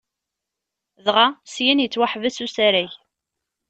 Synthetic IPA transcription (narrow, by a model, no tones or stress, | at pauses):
ðʁasjinjət͡sːwaħvæsusæɾæç